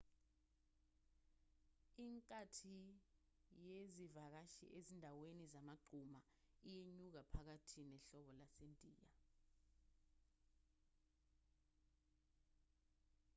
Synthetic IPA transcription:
iŋkʼatʰi | jezivak̬aʃḭʔezindʱawenizamaɡ͡ǀʱuma | ijeɲuk̬apʰak̬atʰinɛɬɔɓɔlasentʼiːja

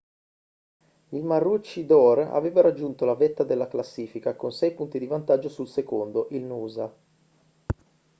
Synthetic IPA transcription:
ilmarːut͡ʃːid̪ɔɾa̰veːvaɾad͡ʒːunt̪olavet̪ːad̪elːaklasːiːfikakonsɛjpunt̪id̪ivant̪ad͡ʒːosulsekond̪oʔilnuːza

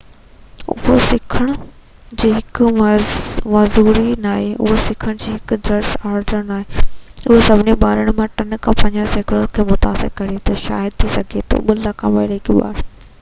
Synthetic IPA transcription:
ʊ̰ɦosɪkʰəɽ̃ʊ | d͡ʑiːɦɪkʊ | mɐzuːɾinaːɦeʊ̰ɦosɪkʰəɽ̃d͡ʑiːɦɪkʊd̪ɾəɾsaːɾɖəɽ̃naːɦeʊɦosɐbʱɪneɓaːɾəɽ̃mãʈɐnkʰãːpɐ̃ɪɲd͡ʑaseːkʰɪɽonkʰeːmʊt̪aːsɪ̰ɾkɐɾet̪ʰɐʃa̰ːɪd̪̚t̪ʰisɐɡʱet̪ʰo̰ɓʊlakʰãʋɐɪɾɪkʰeɓa̰ːɾ

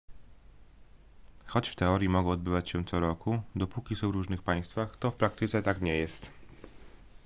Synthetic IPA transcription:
xɔt͡ɕft̪ɛɔɾjimɔɡɔ̃ɔd̪bɘvat͡ɕɕɛ̃t̪sɔɾɔkud̪ɔpukʲisɔ̃wvɾuʐnɘxpaj̃st̪faxt̪ɔfpɾak̚t̪ɘt̪sɛt̪akɲɛjɛst̪

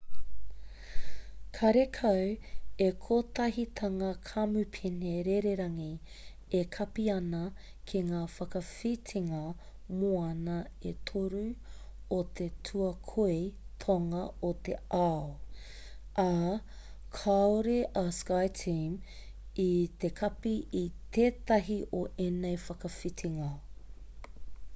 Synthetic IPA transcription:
kʰɐɾekʰɐwekʰot̪ɐɦit̪ʰɐŋɐkʰamʉpʰineɾeɾeɾɐŋi | ekʰɐpiɐnɐ | kʰeŋaːfɐkɐfitʰiŋɐ | moɐnɐ | et̪ʰoɾu | ot̪ʰetʰuɐkʰoet̪ʰoŋɐot̪ḛʔao | ʔa | kʰaoɾeʔɐskajtʰim | it̪ekʰɐpiʔit̪eːt̪ɐɦiʔoʔenejfɐkɐfit̪ʰiŋɐ

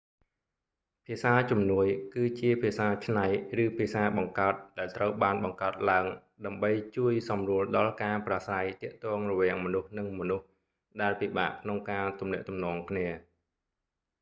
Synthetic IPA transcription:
pʰiəsaːt͡ɕumnuəjkɨːt͡ɕiəpʰiəsaːt͡ɕʰnajrɨːpʰiəsaːɓɑŋkaət̪̚ɗaɛlt̪rəwɓaːnɓɑŋkaət̪̚laəŋ | ɗaəmɓəjt͡ɕuəjsɑmruəlɗɑlkaːprasajt̪ɛ̆əʔt̪ɔːŋrɔʋɛ̆əŋmɔnuhnɨŋmɔnuh | ɗaɛlpiɓa̰ːʔkʰnoŋkaːt̪umnɛ̆əʔt̪umnɔːŋkʰniə

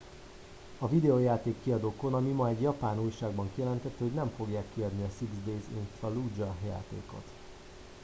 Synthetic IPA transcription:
ɒvid̪ɛojaːt̪eːkːiɒd̪oːko̞nɒmimɒɛɟjɒpaːnuːjʃaːɡbɒŋkijɛlɛnt̪ɛt̪ːɛho̞ɟnɛɱfo̞ɡjaːkːiɒd̪niɒsiɡzd̪eːzḭnt̪ɾɒlud͡ʒɒja̰ːt̪ḛːko̞̰t̪

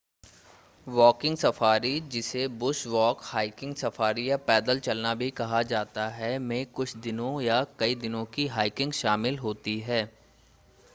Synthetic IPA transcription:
ʋɔːkɪ̃ŋɡsɐfaːɾid͡ʒɪsebʊsʋɔːkhaːɪkɪ̃ŋɡsɐfaːɾijapɛːd̪əlt͡ʃɐlnabʱikɐɦad͡ʒaːt̪aɦɛmẽːkʊt͡ʃʰd̪ɪnõjakɐid̪ɪnõkiɦaːɪkɪ̃ŋɡʃaːmɪlɦoːt̪iɦɛː

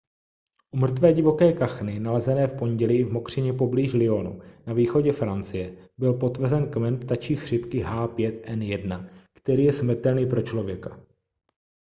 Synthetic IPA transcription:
ʔumr̩t̪vɛːɟɪvo̞kɛːkaxnɪnalɛzɛnɛːfpo̞ɲɟɛlɪvmo̞kr̝̥ɪɲɛpo̞bliːʒlɪo̞nṵnaviːxo̞ɟɛfɾant͡sɪjɛ | bɪlpo̞t̪vr̩zɛnkmɛnpt̪at͡ʃiːxr̝̥ɪpkɪɦaːpjɛt̪ʔɛnjɛdnakt̪ɛɾiːjɛsmr̩t̪ɛlniːpɾo̞t͡ʃlo̞vjɛkḁ

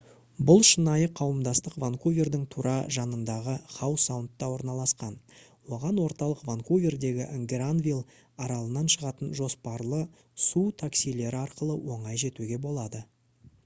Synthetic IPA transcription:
bʊlˠʃənɑjəqʰɑwəmd̪ɑst̪əqvaŋkovʲe̞rd̪ɪŋt̪ʰuɾʔɑʒɑnənd̪ɑʁəχɑwsawənt̪ːɑwo̞ɾnɑlˠɑsqɑn | wo̞ʁɑnwo̞ɾt̪ɑlˠəqvaŋkovʲe̞rd̪e̞ɡʲɪʔəŋɡʲɾanvʲilˠ | ɑɾɑlˠənɑnʃəʁɑt̪ənʒo̞spɑɾlˠə | sut̪ʰaksijle̞ɾɪɑɾqəlˠəwo̞ɴɑjʒe̞t̪uɡʲe̞bo̞lˠɑd̪ə

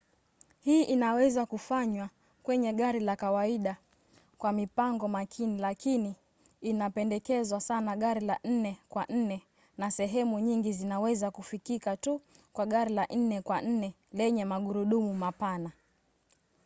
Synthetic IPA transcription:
hiːʔinawɛzakufaɲwa | kwɛɲɛɠaɾilakawaiɗa | kwamipaŋɡɔmakʰinilakiniː | napɛndɛkɛzwasanaɠaɾilan̩nɛkwan̩nɛ | nasɛɦɛmuɲiŋɡizinawɛzakufikikatu | kwaɠaɾilan̩nɛkwan̩nɛ | lɛɲɛmaɠuɾuɗumumapana

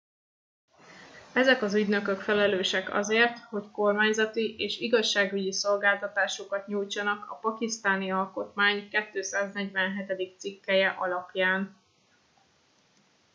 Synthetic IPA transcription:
ɛzɛkɒzyɟnø̞kø̞kfɛlɛløːʃɛkɒ̰zeːrt̪ho̞cko̞rmaːɲzɒt̪iʔeːʃiɡɒʃːaːɡyɟiso̞lɡaːlt̪ɒt̪aːʃokɒt̪ɲuːjt͡ʃɒnɒkɒ̰pɒkist̪aːniɒlko̞t̪maːɲkɛt̪ːøːsaːznɛɟʋɛnɦɛt̪ɛd̪ik̚t̪sikːɛjɛʔɒlɒpjaːn

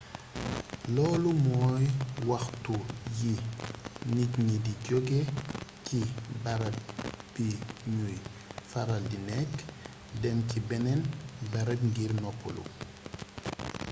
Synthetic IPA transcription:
lɔːlumɔːjwɐxtuji | nicɲidiɟoɡecibɐɾɐlb̥iɲujfaɾɐldinɛkː | dɛmcibɛnɛnbɐɾɐtŋɡirnɔpʰːɔ̰lṵ

